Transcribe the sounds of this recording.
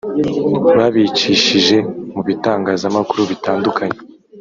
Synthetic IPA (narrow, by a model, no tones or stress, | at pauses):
βaβit͡ʃiʃiʒe̞muβitaːŋɡaːzamakuɾuβitaːndukʰaɲe